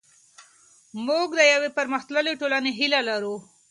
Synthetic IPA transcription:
muɡd̪əjawepaɾməxt̪ləleʈolaneɦilalaɾu

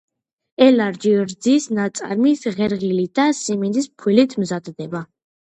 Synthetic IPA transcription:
ɛlaɾd͡ʒiɾd̪zisnat̪sʼa̰ɾmisʁɛɾʁilid̪asimind̪ispʰwilit̪ʰmzad̪d̪ɛba

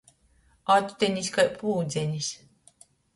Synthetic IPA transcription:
at̪t̪ʲenʲiskajpuːd̪zʲɛnʲis

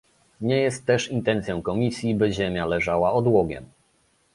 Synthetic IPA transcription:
ɲɛjɛst̪ːɛʂint̪ɛnt̪sjɔ̃w̃kɔmʲisʲjibɘʑemʲjalɛʐawaɔd̪wɔɡʲjɛ̰m

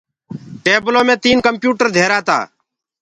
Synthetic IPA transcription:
ʈeːbloːmẽːt̪iːnkəmpjuːʈəɾd̪ʱeːɾaːt̪a̰ː

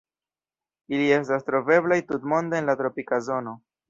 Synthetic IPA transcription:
ilie̞stastɾo̞ve̞blajtutmo̞nd̪eːnlatɾo̞pikazo̞no̞

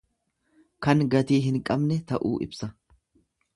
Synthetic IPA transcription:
kɐŋɡɐt̪iːɦɪŋkʼɐbnɛt̪ɐʔṵːʔɪ̰bsɐ

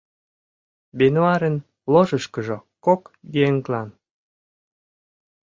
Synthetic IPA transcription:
benoɑɾen | loʒəʃkəʒokokɡieŋklɑn

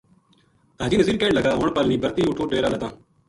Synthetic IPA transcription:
t̪aːd͡ʒiːnəziːɾkeːɳləɡaːɦoːɳpəlnĩːbəɾt̪iːʊʈʰoːɖeːɾaːləd̪ãː

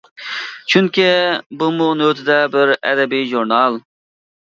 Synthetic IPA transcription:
t͡ʃʰyŋkʲibumʊnøt̪ʰɪd̪ɛbɪɾɛ̰d̪ɛbijʒuɾnɑlˠ

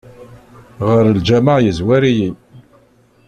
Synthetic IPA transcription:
ʁəɾəld͡ʒæmaʕjəzwæɾiji

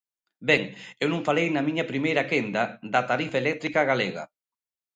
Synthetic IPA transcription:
bɛŋewnũŋfalejnɐmiɲɐpɾimejɾakend̪ad̪ɐt̪aɾifaelɛk̚t̪ɾikaɣaleɣa̰

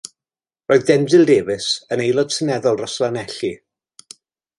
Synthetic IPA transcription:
roːɨðdɛndɨlˠdeːvɨsənejlˠɔd̥̚sʰənɛðɔlˠrɔslanɛɬi

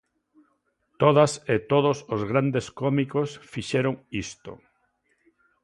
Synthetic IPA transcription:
t̪oðaset̪oðosozɣ̞ɾand̪eskomikosfiʃeɾoŋist̪o̰

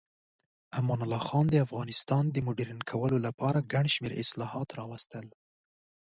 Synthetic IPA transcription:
amɑnʊlɑxɑnd̪əafɣɑnɪst̪ɑnd̪əmʊɖiɾinkʰawəlolapɑɾaɡaɳʃmeɾʔɪ̰slɑhɑt̪ɾɑwast̪əl

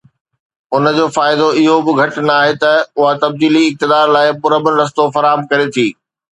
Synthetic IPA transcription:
ʊnə̆d͡ʑoːfaːɪd̪oɪɦobɪɡʱɐʈnɐaːɦet̪ɐʊɦat̪ɐb̚d̪iːliɪk̚t̪ɪd̪aːɾlaːɪpʊɾəbənɾɐs̬t̪ofɐɾaːɦəmkɐɾet̪ʰiː

